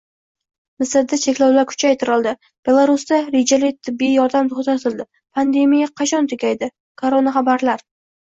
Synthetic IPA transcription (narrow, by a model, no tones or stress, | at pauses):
mɪsaɾd̪at͡ʃʰe̞kʲlawlaɾkʰʊ̥t͡ʃʰajt̪ʰɪɾɒlˠd̪ɪ | b̥e̞lˠaɾust̪aɾed͡ʒalɪt̪ʰɪbːijɒɾd̪amt̪ʰoχt̪at̪ʰɪlˠd̪ɪ | pʰand̪e̞mijaqʰɑt͡ʃʰɒnt̪ʰʊɡʲajd̪ɪ | kʰoɾonaχɑbaɾlaɾ